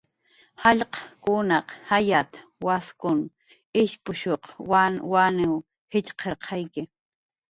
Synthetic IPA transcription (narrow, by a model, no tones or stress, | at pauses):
hɑʎqɑ̥kʊnɑqhajat̪waskʊn | ɪʃpʊʃoqawanɪw | hɪʎqʰeɾqʰɑjkɪ